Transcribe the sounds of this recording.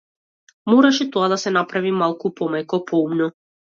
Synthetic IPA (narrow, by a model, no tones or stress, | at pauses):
mɔɾaʃɛt̪ɔad̪asɛnapɾavimalˠkupɔmɛjkɔpʰɔumnɔ